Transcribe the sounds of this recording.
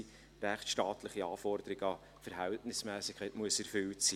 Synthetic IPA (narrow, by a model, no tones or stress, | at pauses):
ɾæχtʃtɑːtʰlɪχiɑːfɔɾd̪əɾɪɡɑ | fəɾɦæltnɪsmæːsɪkʰæɪtmuəsɛɾfʏltsiː